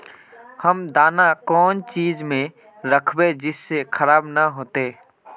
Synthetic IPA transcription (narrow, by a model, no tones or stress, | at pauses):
həmd̪aːnakɔːnt͡ʃiːd͡ʒmẽ | ɾəkʰbed͡ʒɪsːekʰəɾaːbnəɦoːt̪eː